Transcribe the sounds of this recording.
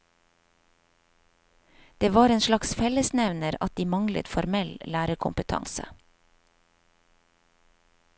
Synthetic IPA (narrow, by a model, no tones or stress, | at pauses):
d̪̥eːʋɑːɾeːnʃlɑksfɛləsnɛʋnəɾɑ̰t̪̚d̪iːmɑŋlə̰t̪fɔɾmɛllæːɾəkʰʊmpət̪ʰɑ̰ŋsə̰